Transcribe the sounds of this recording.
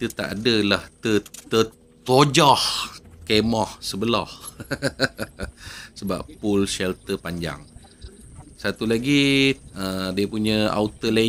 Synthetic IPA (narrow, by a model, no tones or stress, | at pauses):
it̪ət̪a̰ʔadəlaht̪ət̪ə | t̪od͡ʒɔhkemɔhsəbəlɔh | səba̰pːulsɛlt̪əpaɲd͡ʒa̰ŋ | sat̪ulaɡiədiəpuɲəa̰ut̪əla